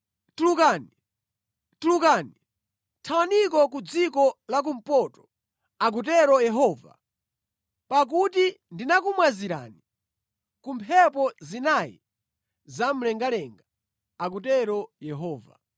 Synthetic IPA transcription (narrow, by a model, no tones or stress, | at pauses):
tulukaːni | tulukaːni | tʰawanik̬ɔk̬ud͡zikɔlak̬um̩pɔtɔ̥ | ak̬ut̬ɛɾɔjɛɦɔːva̰ | pak̬uti | ndinak̬umwaziɾa̰ni | kumpʰɛpɔzinajḭ | zam̩lɛŋɡalɛŋɡa | ak̬utɛɾɔjɛɦɔːva̰